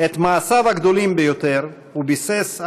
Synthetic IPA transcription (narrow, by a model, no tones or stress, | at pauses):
et̪maːsavhaɡd̪o̞limbejo̞t̪eʁ | ubises